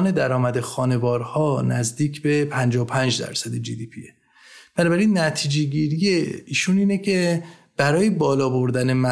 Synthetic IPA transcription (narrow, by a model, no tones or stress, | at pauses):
ne̞d̪æɾɒːmæd̪exɒːne̞vɒːɾhɒːnæzd̪iːcʰbe̞pʰænd͡ʒɒːopʰænd͡ʒd̪æ̰ɾsæd̪ed͡ʒid̪iːpʰie | b̥ænɒːbæɾiːnːæt̪ʰiːd͡ʒeɟiːɾijeiːʃuniːnecʰeb̥æɾɒːjebɒːlɒːbo̞ɾd̪æne̞mæ